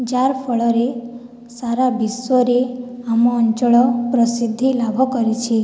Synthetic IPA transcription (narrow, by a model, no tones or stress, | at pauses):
d͡ʒaɾpʰɔɭɔɾe | saɾabiswɔɾeamɔːnt͡ʃɔɭɔpɾɔsid̪ʱːilabʱɔkɔɾit͡ʃʰi